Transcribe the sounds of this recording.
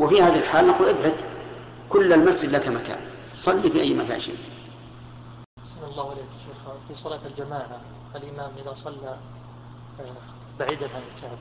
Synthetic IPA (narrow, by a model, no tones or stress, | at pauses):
wɪfihaːðiɪlħaːlnaquːlʔɪbʕad̪ | kʊlːalmasd͡ʒɪd̪lakamaka̰ːn | sˤɑlːifiʔajːmaka̰ːnʃḛːt̪ | sanɑlˤːɑːhɪleːkjaʃeːxfisˤɑlaːt̪ald͡ʒamaːʕa | alʔɪmaːmʔɪðasˤɑlːa | baʕiːd̪anhalɪlkaʕb